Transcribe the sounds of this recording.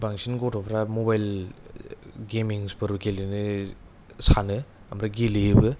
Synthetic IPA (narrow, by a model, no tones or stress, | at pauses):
baŋsinɡotʰɔpʰɾamobajl | ɡemiŋspɯɾbɯkelinɯ | sanɯ | ɐmɾaɡelibɯ